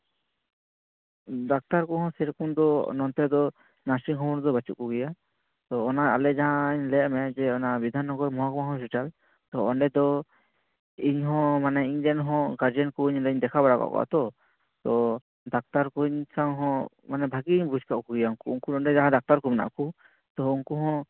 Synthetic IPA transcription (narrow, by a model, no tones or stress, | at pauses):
d̪ak̚t̪aɾkuɦhɔ̃sɛɾɔkumd̪ɔnɔnt̪ɛd̪ɔ | nasiŋɦɔ̃mɔɽd̪ɔbat͡ʃuʔ̚kuɡɛja | t̪ɔːnaa̰lɛd͡ʒaɦãiɲlɛʔmɛd͡ʒɛɔnabid̪ʱanɦɔ̃ɡɔɾmɔɦakɔmaɦɔ̃sut͡ʃal | t̪ɔɔɳɖɛd̪ɔ | iɲɦɔ̃manaiɲd͡ʒɛnɦɔ̃ɡaɾd͡ʒɛnkuɲɾɛɲd̪ɛkʰabaɽaka̰ʔkɔ̰ʔa̰t̪ɔ | t̪ɔ | d̪ak̚t̪aɾkuɲsaŋɦɔ̃ | manɛbʱaɡiɲbud͡ʒkaʔkuɡɛjauŋkuːŋkudɔɳɖɛd͡ʒaɦãd̪ak̚t̪aɾkumna̰ʔku | t̪ɔuŋkuɦɔ̃